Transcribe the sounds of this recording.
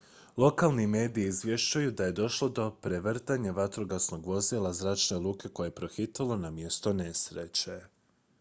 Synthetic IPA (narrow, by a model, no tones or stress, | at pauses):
lˠo̞kalˠnime̞ːd̪iiːzʋje̞ʃt͡ɕajud̪aje̞d̪o̞ʃlˠo̞d̪o̞pɾe̞ʋr̩t̪aɲaʋat̪ɾoɡasno̞ɡʋo̞zilˠazɾaːt͡ʃne̞lˠuːke̞ko̞jepɾo̞xit̪alˠo̞namje̞st̪o̞ne̞sɾe̞t͡ɕe̞